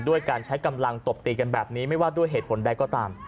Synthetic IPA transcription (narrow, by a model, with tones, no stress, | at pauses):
du˥˩əjkaː˧nt͡ɕʰa˦˥jka˧mla˧ŋt̪o˨˩p̚t̪iː˧ka˧nbɛː˨˩p̚niː˦˥ma˥˩jwaː˥˩du˥˩əjɦeː˨˩t̪̚pʰo˩˦nda˧jkɔː˥˩t̪aː˧m